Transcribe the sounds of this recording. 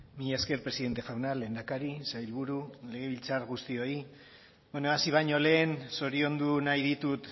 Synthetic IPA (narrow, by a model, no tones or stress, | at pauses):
miʎaeske̞ɾpɾesiðe̞nt̪e̞xawnale̞ːnd̪akaɾisajlβuɾule̞ɣ̞e̞β̞ilt͡saɾɣust̪io̞i | benoasiβ̞aɲo̞le̞ːnso̞ɾio̞nd̪unajðit̪ut̪